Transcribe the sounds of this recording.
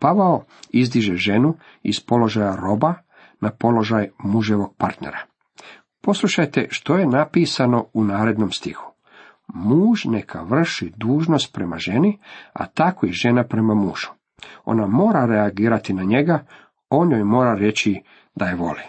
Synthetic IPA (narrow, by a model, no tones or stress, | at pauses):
paʋao | izd̪iʒeʒe̞nu | ḭspo̞lo̞ʒajaɾo̞ba | napo̞lo̞ʒajmuʒeʋo̞ɡ̥̚paɾt̪nḛɾa | po̞slˠuʃajt̪e̞ʃt̪o̞je̞napiːsano̞unaːɾe̞d̪nomst̪ḭxu̥ | muːʒnekʰa̰ʋr̩ʃid̪uːʒno̞st̪̚pɾe̞ma̰ʒe̞nia̰t̪akojeʒe̞napɾe̞mamṵːʒ̥u̥ | o̞̰namo̞ːɾaɾeaɡiːɾat̪inaɲe̞ɡa | o̞njojmo̞ːɾaɾe̞t͡ɕi | d̪ajeʋo̞̰li